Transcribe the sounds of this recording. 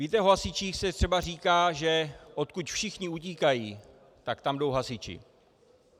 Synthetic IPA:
viːt̪ɛoɦasɪt͡ʃiːxsɛt̪r̥ɛbar̝iːkaːʒɛʔot̪̚kucfʃɪxɲɪuc̬iːkajiː | t̪akt̪amdo̞wɦasɪt͡ʃɪ̰

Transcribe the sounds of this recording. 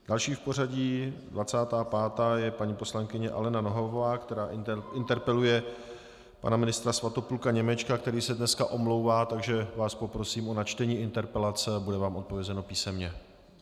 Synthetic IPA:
d̥alʃiːfpo̞raɟiːdvat͡saːt̪aːpaːt̪aːjɛpaɲiːpo̞slaŋkɪɲɛʔa̰lɛnano̞ɦovovaːkt̪ɛɾaːɪnt̪ɛɾpɛlujɛ | pa̰namɪnɪst̪ɾasvat̪opulkaɲɛmɛt͡ʃkakt̪ɛɾiːsɛdnɛskaʔo̞mlo̞wvaːt̪aɡʒɛvaːspo̞pɾosiːmʔo̞nat͡ʃt̪ɛɲiːʔɪnt̪ɛɾpɛlat͡sɛbudɛvaːmʔot̪̚povjɛzɛno̞piːsɛmɲɛ

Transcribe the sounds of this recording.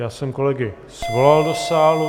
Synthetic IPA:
jaːsɛmkolɛɡɪ | svolald̪osaːlu

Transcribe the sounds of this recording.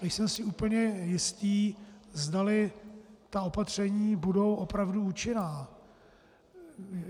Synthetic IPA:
nɛjsɛmsɪuːpl̩ɲɛjɪst̪iːzdalɪt̪ao̞pat̪r̝̥ɛɲiːbudo̞wʔo̞pɾavduut͡ʃɪnaː

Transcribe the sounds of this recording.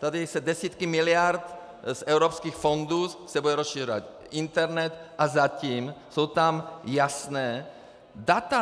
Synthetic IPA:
t̪ad̪isɛdɛsiːt̪kimilɪaɾt̪ | sɛwɾopskiːxfond̪usɛbud̪ɛɾosʃiːrova̰t̪ | ʔint̪ɛɾnɛt̪ʔazaciːmsowt̪amjasnɛː | dat̪a

